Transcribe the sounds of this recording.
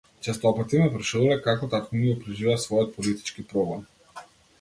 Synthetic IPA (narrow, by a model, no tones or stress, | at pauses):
t͡ʃɛst̪ɔpat̪imɛvɾʃuɾulɛkakɔt̪akɔniɛpɾɛʒivɛasvɔjɔt̪̚pɔlit̪i̥t͡ʃkipɾɔblɛm